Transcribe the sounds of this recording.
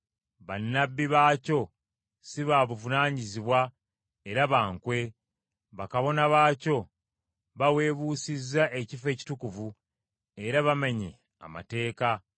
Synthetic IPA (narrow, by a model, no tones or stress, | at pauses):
βanːabːiβaːco̞ | siβaβuvunaːɲiziβwa | eɾaβaːŋkwe̞ | βakaβo̞naβaːco̞ | βawe̞ːβuːsizːaʔecife̞ːci̥tukuvu | e̞ɾaβameɲḛ | a̰ma̰te̞ːka